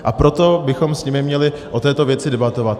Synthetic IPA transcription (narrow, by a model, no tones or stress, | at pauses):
ʔapɾo̞t̪o̞bɪxo̞msɲɪmɪmɲɛlɪ | ʔo̞t̪ɛːt̪o̞vjɛt͡sɪdɛbat̪o̞vat̪̚